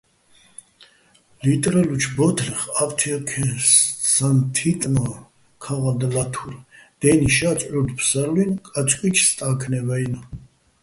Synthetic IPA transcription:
lit̪ʼɾɛlut͡ʃʰbɔt̪ʰlɛχavt̪ʰiɔkʰɛsant̪ʰit̪ʼnɔ | kʰaʁad̪lat̪ʰuɾd̪̥ɛniʃat͡ʃʼʕuɾd̪pʰsaɾlinkʼat͡ʃʼkʼwit͡ʃʰst̪ʼakʰnɛvɛjna

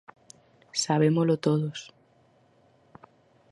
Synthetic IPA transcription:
saβ̞emolot̪oðos

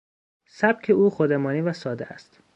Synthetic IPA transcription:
sæb̥̚cʰeuːχod̪emɒːniːvæsɒːd̪eæ̰st̪

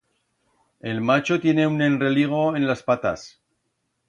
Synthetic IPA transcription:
e̞lmat͡ʃo̞t̪je̞ne̞une̞nre̞liɣ̞o̞e̞nlaspat̪as

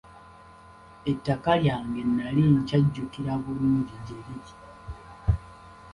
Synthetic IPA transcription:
etːakaljaːŋɡe̞nːaliɲcaɟːukiɾaβuluɾiɟeli

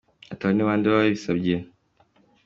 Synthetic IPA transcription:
ataβaneβaːndiβaeβisabɟe

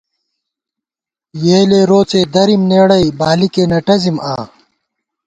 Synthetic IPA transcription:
jeːleːɾoːt͡seːd̪ɐɾimneːɽɐibaːlikeːnɐʈɐzimaː

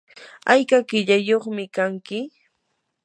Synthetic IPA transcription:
ajkakɪʎajoχmɪkaŋkɪ

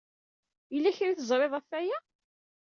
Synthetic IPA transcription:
jəlːæçɾiθəzˤɾˤeðˤæfːæjæ

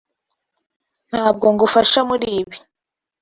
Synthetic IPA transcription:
n̥haːb̚ɡo̞ŋɡufaʃamuɾiːβi

